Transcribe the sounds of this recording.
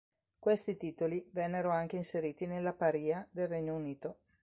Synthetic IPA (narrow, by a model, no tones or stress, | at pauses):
kwest̪it̪iːt̪olivɛnːeɾoaŋk̟einseɾiːt̪inelːapaɾiːad̪elreɲːouniːt̪o